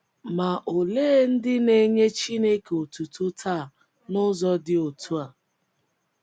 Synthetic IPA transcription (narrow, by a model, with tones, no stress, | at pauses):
ma˨ʔo˨leː˦n̩˦dɪ˦ne˦ɲe˦t͡ʃi˦ne˦ke˨o˨tu˨tʊ˦tʰaː˦˨ | nʊ˦zɔ˦dɪ˦o˨tʰu˦a˨